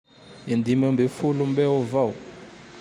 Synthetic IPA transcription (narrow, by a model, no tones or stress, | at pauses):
ind̪imɛmbefulumbɛɔvaw